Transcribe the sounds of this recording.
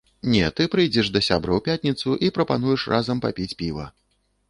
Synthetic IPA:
nʲɛt̪ɨpɾɨjd͡zʲɛʂd̪ɐsʲa̰bɾɐwpʲat̪ʲnʲit̪suʔipɾɐpan̪ujɛʂrʔazɐmpa̰pʲit͡sʲpʲivɐ̰

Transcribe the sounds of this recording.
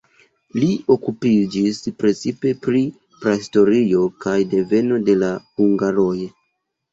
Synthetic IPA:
lio̞kupid͡ʒispɾe̞t͡sipe̞pɾi | pɾaisto̞ɾio̞kajde̞ve̞no̞de̞lahuŋɡaɾo̞j

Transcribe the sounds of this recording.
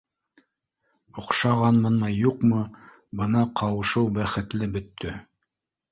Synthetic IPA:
ŏqʃɑʁɑnmɤ̆nmɑjuqmɤ | bɤnɑqʰɑwɤ̆ʃɤwbæχɘ̆t̪lɘbɵ̆t̪ʰːɵ

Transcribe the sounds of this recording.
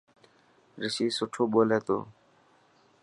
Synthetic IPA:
ɾisisʊʈʰobolɛt̪o̰

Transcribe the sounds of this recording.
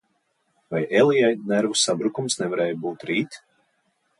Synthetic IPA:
vajɛlˠijajnɛɾvusabɾukumsnɛvaɾɛːjbuːt̪ɾiːt̪

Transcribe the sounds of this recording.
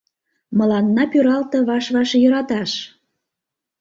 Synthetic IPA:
mə̆lɑnːɑpyɾɑlt̪ɤ̆βɑʃβɑʃjəɾɑt̪ɑʃ

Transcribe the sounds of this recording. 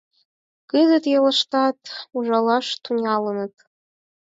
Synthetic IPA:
ɡ̥ɨzɨtʼjalɨʂtʰatʰʼuʒʷalaʂtʰunalɨnɨtʼ

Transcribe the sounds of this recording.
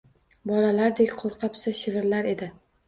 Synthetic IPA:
bɒlalaɾd̪ekʲqʰoɾqʰɑpsaʃɪvɪɾlaɾe̞d̪ɪ

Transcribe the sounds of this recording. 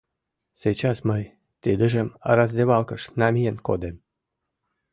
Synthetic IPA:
set͡ɕɑsməj | t̪ed̪ə̆ʒĕmɑ̰ɾɑzd̪eβɑlˠkəʃnɑmʲijenkod̪em

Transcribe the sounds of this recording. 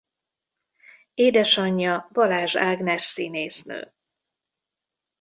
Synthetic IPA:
eːd̪ɛʃɒɲːɒbɒlaːʒaːɡnɛʃsiːneːsnø̰ː

